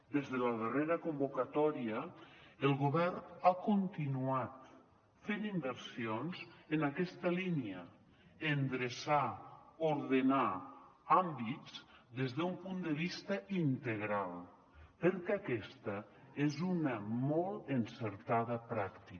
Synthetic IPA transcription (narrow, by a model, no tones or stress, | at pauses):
d̪ezðələðereɾəkumbokat̪ɔɾiəelˠɣoβɛrnakont̪inuat̪ | fenimbəɾsionzenakɛst̪əliniə | end̪ɾesaoɾðenaambizd̪ezðeumpund̪əβ̞ist̪əint̪eɣɾalˠ | pəɾkeakɛst̪ə | ezunəmɔlˠenseɾt̪aðəpɾakt̪i